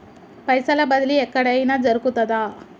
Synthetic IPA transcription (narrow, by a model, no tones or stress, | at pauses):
pɐjsɐlɐbɐd̪ɐliɛkːɐɽejnɐd͡ʒɐɾukut̪ːɐd̪aː